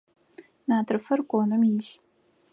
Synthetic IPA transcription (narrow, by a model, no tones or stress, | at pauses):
naːtʰrɨfɐrkʷʼonɨmjiɮ